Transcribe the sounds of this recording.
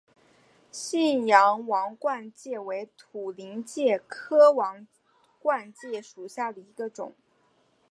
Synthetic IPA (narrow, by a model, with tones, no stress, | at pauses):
ɕi˥˩njɑ˧˥ŋwɑ˧˥ŋkwa˥˧nt͡ɕjɛ˥˩we˧˥ɪt̪ʰu˨˩li˧˥ŋt͡ɕjɛ˥˩kʰɤ˥wɑ˧˥ŋ | kwa˥˧nt͡ɕjɛ˥˩ʂu˨˩ɕja˥˩d̪ə˩i˧˥ɡə˧ʈ͡ʂʊ̰˨˩˦ŋ